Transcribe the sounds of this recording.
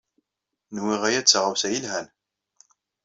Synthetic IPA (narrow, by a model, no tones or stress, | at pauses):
nwiʁæjæt͡sːʁəwsæjilɦæn